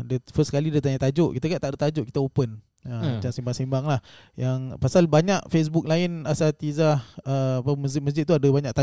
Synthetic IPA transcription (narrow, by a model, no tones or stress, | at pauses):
dafəskalidat̪aɲat̪ad͡ʒʊʔkit̪aɡaʔt̪aʔdat̪ad͡ʒʊʔki̥t̪aopən | əmat͡ʃaŋsimbaŋsimbaŋlah | jaŋpasalbaɲaʔfes̬buk̚laɪnasat̪izahəpaməs̬d͡ʒɪt̪̚məs̬d͡ʒɪt̪̚ːuadəbaɲaʔt̪a